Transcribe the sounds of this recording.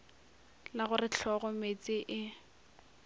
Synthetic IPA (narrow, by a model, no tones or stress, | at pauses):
laɣʊrɪt͡ɬʰɔɣɔmet͡sʼɪʔɪ